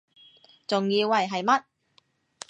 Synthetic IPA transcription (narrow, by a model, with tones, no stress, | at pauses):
t͡sʊ˨ŋjiː˧wːɐ˨jɦɐ˨jmɐ˥t̚